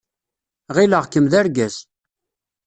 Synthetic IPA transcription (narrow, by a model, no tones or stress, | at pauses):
ʁiləʁkəmðæɾɡæz